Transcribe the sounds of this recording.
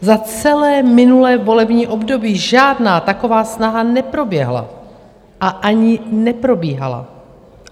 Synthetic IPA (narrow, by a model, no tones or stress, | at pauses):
zat͡sɛlɛːmɪnulɛːbo̞lɛbɲiːʔo̞bdo̞biːʒaːdnaːt̪ako̞vaːsnaɦanɛpɾo̞bjɛɦla̰ | ʔaʔaɲɪnɛpɾo̞biːɦa̰la̰